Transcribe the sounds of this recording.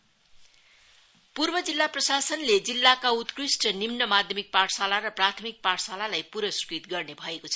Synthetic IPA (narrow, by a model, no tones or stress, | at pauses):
purbʌd͡zilːaprʌsasʌnled͡zilːakaut̪krisʈʌnimnʌmad̪ʱjʌmik̚paʈʰsalarʌprat̪ʰʌmik̚paʈʰsalalajpuɾʌsu̥kɾit̪ɡʌrnebʱʌekot͡sʰʌ